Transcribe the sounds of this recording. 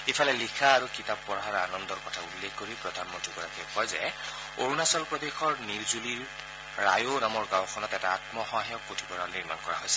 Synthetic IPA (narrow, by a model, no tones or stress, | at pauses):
ipʰalɛlikʰaːɹukitapːɔɹaɹanɔnd̪ɔɹkɔtʰaulːekʰkoɹipɹɔd̪ʱanmɔntiɡɔɹakɛkɔjzɛ | oɹunasɔlpɹɔd̪exɔɹniɹzuliɹ | ɹa̰jonamɔɹɡawxɔnɔtɛtaatmɔxɔajɔkːotʰubɔɹaniɹmankɔɹa̰ɦojsɛ̥